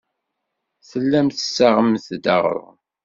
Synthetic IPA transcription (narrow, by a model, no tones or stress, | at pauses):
θəlːæmθəsːaʁəmθd̪əʁ̰ɾ̰ˤ